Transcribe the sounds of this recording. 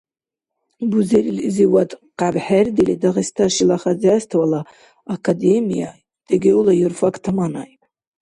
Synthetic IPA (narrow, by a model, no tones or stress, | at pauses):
buzeɾilziwatʼqabħardelidaʁistʰaʃilaχad͡zastʰwala | akʰademija̰ | d̥eɡʲeulajurfakʼʰtʰamanajpʼ